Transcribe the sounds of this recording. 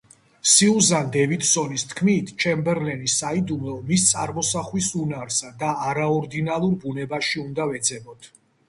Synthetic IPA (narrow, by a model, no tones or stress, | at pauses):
siuzand̪ɛvit̪sɔnist̪ʰkʰmit̪ʰt͡ʃʰɛmbɛɾlɛnisaid̪umɔmist̪sʼa̰ɾmɔsaχlisunaɾsad̪aːɾaɔɾd̪inalˠuɾbunɛbaʃiund̪avɛd̪zɛbɔt̪ʰ